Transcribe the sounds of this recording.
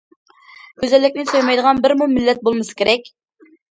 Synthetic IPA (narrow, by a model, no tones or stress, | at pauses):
kʲøzɛlːɪkʲnɪsojmɑjd̪əʁɑnbɪɾmumɪlːɛt̪̚bolˠmɨsɨ̥kʲeɾʔɛkʲ